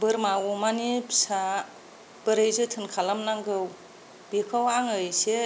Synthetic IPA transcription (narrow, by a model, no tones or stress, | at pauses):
bɯɾmawɔmanipʰsa | b̥ɯɾɯjzɯtʰɯnkʰalamnaŋɡɯw | bikʰɯwaŋɯjse